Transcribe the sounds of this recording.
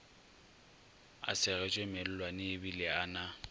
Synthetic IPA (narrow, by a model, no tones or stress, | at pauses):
a̰sɪɣɛt͡ʃʼemɛl̩lwanɪːbilɪana